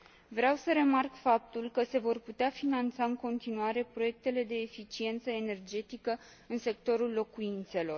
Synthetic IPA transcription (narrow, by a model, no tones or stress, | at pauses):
vɾeawsəɾe̞markfap̚t̪ulkəse̞vo̞rput̪eafinant̪saɨŋko̞nt̪inuaɾe̞pɾo̞je̞k̚t̪e̞le̞d̪e̞ːfit͡ʃie̞nt̪səene̞rd͡ʒe̞t̪ikə | ɨnse̞kt̪o̞ɾulːo̞kuint̪se̞lo̞r